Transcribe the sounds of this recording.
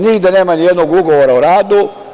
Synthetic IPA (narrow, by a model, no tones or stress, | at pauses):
niɡd̪aneːmanijɛd̪noɡuɡoʋoɾauɾaːd̪u